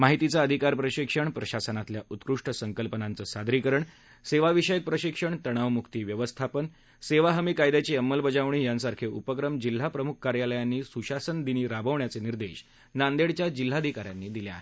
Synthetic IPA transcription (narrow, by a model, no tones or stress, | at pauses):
maɦit̪it͡saəd̪ʱikaɾpɾəɕikʂəɳpɾəɕasənat̪ljaʔut̪kɾuʂʈəsəŋkəlpənant͡səːsad̪ɾikəɾəɳ | seʋaʋiɕəjək̚pɾəɕikʂəɳt̪əɽ̃aʋmukʰt̪iːʋjəʋəst̪ʰapən | seʋaɦəmikajd̪at͡ɕeəmːəlbəd͡zaʋɳ̃iːjansaɾkʰeupəkɾəmd͡ʑil̤ːapɾəmuk̚ʰːaɾjaləjanːiːsuɕasənd̪iniːɾabʱəʋɳjat͡seniɾd̪eɕ | nand̪eɽt͡ɕjad͡ʑil̤ːaːd̪ʱikaɾjanːiːd̪iljea̰ɦe